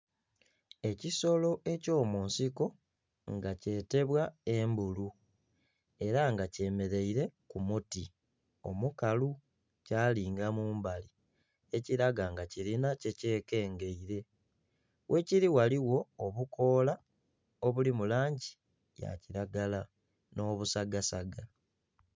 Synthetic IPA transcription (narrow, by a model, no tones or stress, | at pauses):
e̞ciso̞lo̞ʔe̞co̞ːmuːnsiko̞ | ŋɡace̞ːte̞βwae̞mbulu | e̞ɾaŋɡace̞me̞ɾe̞iɾe̞kumuti | o̞̰mukalu | caːliːŋɡamuːmbali | eciɾaɡaŋɡaciɾinace̞ce̞ːke̞ːŋɡe̞iɾe̞ | wʔe̞ciɾiwaliwo̞oβukʰo̞ːla | oβulimulaːɲɟi | ja̰ciɾaɡala | no̞ːβusaɡasaɡa